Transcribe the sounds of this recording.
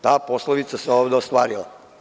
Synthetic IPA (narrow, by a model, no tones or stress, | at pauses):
t̪aːposloʋit̪saseoːʋd̪eost̪ʋaːɾilˠa̰